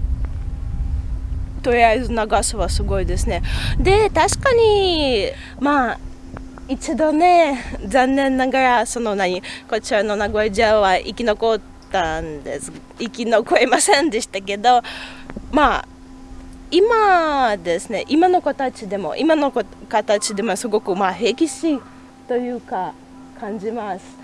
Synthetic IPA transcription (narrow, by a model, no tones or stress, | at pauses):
t̪o̞ɾʲiaizɨnaɡasoβasɨɡo̞id̪e̞sɨne̞d̪e̞t̪aɕi̥kaɲ̟i | maː | it͡ɕid̪o̞ne̞zãnːẽ̞nːaɡaɾaso̞no̞naɲ̟iko̞t͡ɕiɾano̞naɡo̞ed͡ʑaβaʔikʲino̞ko̞t̪ːand̪e̞̰sɨ̥ | ikʲino̞ko̞emasẽ̞nd̪e̞ɕi̥t̪ake̞d̪o̞ | ma | imad̪e̞sɨne̞̰ʔimano̞ko̞t̪at͡ɕid̪e̞mo̞̰ʔimano̞kokat̪at͡ɕid̪e̞mosɨɡo̞kɯ̟maɦe̞kʲiɕiː | t̪o̞jɯ̟ːka | kãɲ̟d͡ʑimasɨ̥